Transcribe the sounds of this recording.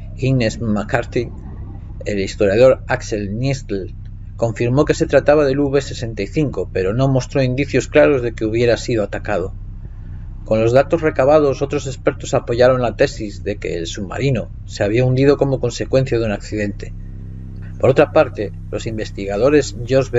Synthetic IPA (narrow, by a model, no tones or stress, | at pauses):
inezmakaɾt̪i | e̞list̪o̞ɾjað̞o̞ɾakse̞lnest̪el | ko̞ɱfiɾmo̞ke̞se̞t̪ɾat̪aβaðe̞luβe̞se̞se̞nt̪ajθiŋko̞pe̞ɾo̞no̞mo̞st̪ɾo̞ind̪iθjo̞sklaɾo̞zðe̞ke̞uβ̞je̞ɾasiðoat̪akað̞o̞ | ko̞nlo̞zðat̪o̞zre̞kaβ̞að̞o̞so̞t̪ɾo̞se̞spe̞ɾt̪o̞sapo̞ʝaɾo̞nlat̪e̞sizðe̞ke̞̰ːlsuβma̰ɾino | se̞aβiaund̪iðo̞ko̞mo̞ko̞nse̞kwẽ̞n̟θjaðunakθiðe̞nt̪e̞̥ | po̞ɾo̞t̪ɾapaɾt̪e̞ | lʔo̞simbe̞st̪iɣað̞o̞ɾe̞zʝo̞zβe